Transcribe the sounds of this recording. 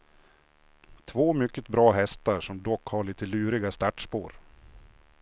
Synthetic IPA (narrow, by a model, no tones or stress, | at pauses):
t̪ʰvoːmʏkːət̪bɾɑːɦɛst̪aɾʂɔmd̪ɔkːhaɭiːt̪əlʉːɾɪɡast̪æʈʂpo̰ːɾ